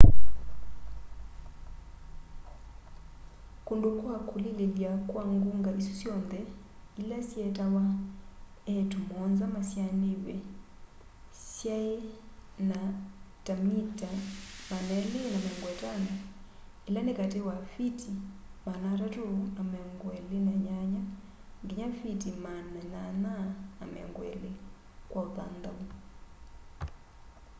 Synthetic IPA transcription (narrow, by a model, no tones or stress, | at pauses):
kundukwakulililiakwaŋɡuŋɡaʔisu̥siɔnd̪ɛ | ilasiɛtawa | ɛtumɔnzamasjaniβɛ | sjaena | tamitamanɛlinamɛŋɡwɛtana | ilanekatewafiti | manatatuamɛŋɡwɛlinaɲaɲa | ŋɡiɲafitimanɛnanaa̰mɛ̰ŋɡwɛ̰le | kwʔauða̰nd̪au